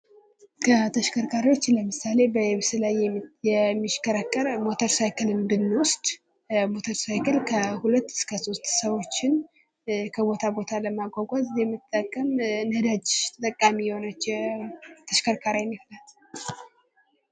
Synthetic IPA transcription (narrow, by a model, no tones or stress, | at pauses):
kʰət̪ʰəʃkʰəɾkʰaɾiwo̞t͡ʃːləmɨsale̞bəjɛβsɨlajɛjɛmːiʃkʰəɾəkʼːəɾmo̞t̪ʰəɾsajkɨlɨnd̪ɨnːwʊst̪ʼ | mo̞t̪ʰəɾsajkɨlkʰəhulət̪ːɨ̥skʰəso̞st̪səwo̞t͡ʃːɪn | kʰəbo̞t̪ʰabo̞t̪ʰaləmaɡʷaɡʷazɨzɛmːɨt̪ʼːəkʼːəmnəd̪ad͡ʒɪʃʰt̪ʼəkʼːamijho̞nət͡ʃː | t̪ʰəʃkəɾkʰaɾajniflat̪